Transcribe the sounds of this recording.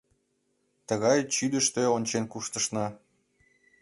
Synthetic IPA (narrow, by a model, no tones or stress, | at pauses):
t̪əɣɑjt͡ɕyd̪əʃt̪eonʲt͡ɕenkuʃt̪ə̆ʃnɑ